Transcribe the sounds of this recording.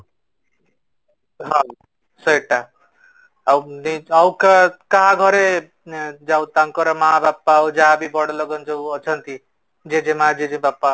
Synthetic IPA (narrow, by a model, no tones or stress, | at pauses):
ɦã | sʌjʈa | awniʌwkakaɦãɡʱʌɾe | d͡ʒawt̪aŋkɔɾʌmaɦabapːawd͡ʒaɦabibʌɽlʌɡʌnd͡ʒʌwʌt͡ʃʰʌnt̪i | d͡ʒed͡ʒemad͡ʒed͡ʒẽbapːa